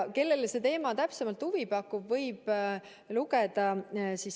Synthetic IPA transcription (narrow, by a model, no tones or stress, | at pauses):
ke̞lːe̞lse̞t̪e̞ːmɑt̪æpsemɑlt̪huvipɑkːˑubvɤjb̥ | luɡed̪̥ɑsis